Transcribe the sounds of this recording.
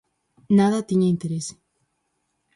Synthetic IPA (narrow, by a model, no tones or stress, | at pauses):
naðɐt̪iɲaĩnt̪eɾese̥